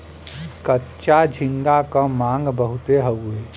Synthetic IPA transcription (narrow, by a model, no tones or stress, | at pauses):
kətːʃad͡ʒʱɪ̃ŋɡakãmãːŋɡbəɦʊt̪eɦəeː